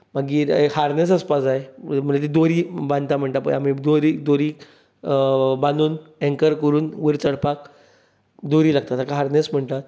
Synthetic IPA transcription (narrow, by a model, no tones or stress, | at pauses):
maɡiːɾehaɾnesəspasajm̤əd͡ʑet̪̬id̪oɾiːbãnt̪am̤əɳʈ̪apə̰am̤id̪oɾiːd̪oɾiːk | bãnuːnɛ̃ŋkəɾkəɾuːnʋəɾt͡səɽpak | d̪oɾiːlaɡ̚t̪at̪akaɦaɾnesm̤əɳt̪at̪